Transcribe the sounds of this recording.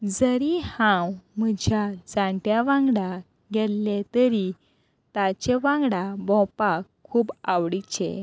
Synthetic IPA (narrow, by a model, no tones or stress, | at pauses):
d͡zəɾihãwm̤əd͡ʑʱjad͡zaʈjaʋãŋɡɽa | ɡɛllet̪əɾi | t̪at͡ɕeʋãŋɡɽabɔ̃pakʰːuːbawɽit͡ɕḛ̃